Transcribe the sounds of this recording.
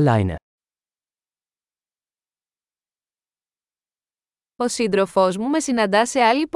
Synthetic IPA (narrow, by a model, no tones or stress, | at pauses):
la̰jnḛ | o̞sind̪ɾo̞fo̞zmumesinɐnd̪ɐse̞ɐlip